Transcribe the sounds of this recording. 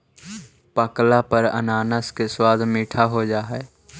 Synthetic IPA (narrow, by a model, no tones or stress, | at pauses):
pəklapəɾə̰naːnəskeswaːd̪ʱmiːʈʰaɦod͡ʒaːɦɛː